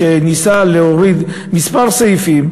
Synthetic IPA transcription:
enisaleoʁid̪ | mispaʁsajifim

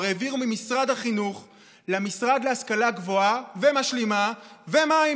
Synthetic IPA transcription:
ʁeviʁumimisʁad̪haχinuχ | lemisʁad̪leaskalaɡvoavemaʃlimavemai

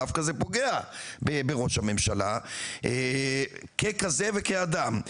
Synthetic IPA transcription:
afkazepo̞ɡe̞abebeʁo̞ʃhame̞mʃalaʔe | kekazevekead̪am

